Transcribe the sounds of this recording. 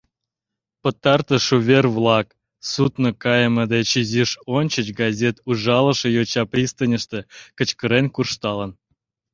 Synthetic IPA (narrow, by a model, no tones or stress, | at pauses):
pə̆t̪ːɑrt̪ə̆ʃuvʲervlˠɑk | sut̪nəkɑjəməd̪et͡ɕizʲiʃonʲt͡ɕət͡ɕɡɑzʲet̪uʐɑlə̆ʃə̆jot͡ɕɑprʲist̪ənʲəʃt̪ĕkə̆t͡ɕkə̆ɾenkurʂt̪ɑlən